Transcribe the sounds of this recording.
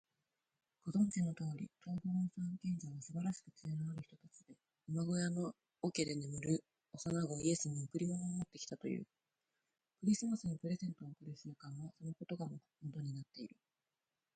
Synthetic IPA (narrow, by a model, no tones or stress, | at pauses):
ɡ̥o̞zõ̞ŋkenːo̞t̪oːɾʲḭt̪ʰoboɾosãŋkẽ̞ɲ̟d͡ʑaɡasɨbaɾaɕi̥kɯ̟t͡sɨenaaɾɯ̟çit̪o̞t̪at͡ɕid̪e̞ | ɯmaɡo̞jano̞ː | ke̞d̪e̞nemɯ̟ɾɯ̟ | osanaɡo̞ie̞sɨmomɯkɯ̟ɾʲimono̞ːmo̞t̪ːe̞kʲi̥t̪at̪o̞̰jɯ̟̰ː | kɯ̟ɾʲisɨmasɨnipɯ̟ɾe̞zẽ̞nt̪o̞ːkɯ̟ɾɯ̟sɨɾɯkãɰ̃βaso̞no̞ko̞t̪o̞ɡamo | mot̪o̞ɲ̟inat̪ːe̞iɾɯ̟